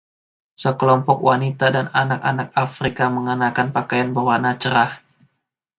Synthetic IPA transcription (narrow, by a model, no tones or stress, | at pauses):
səkəlɔmpɔkwanit̪adananakanak̚afɾikaməŋənakanpakajanbərwanat͡ʃəɾah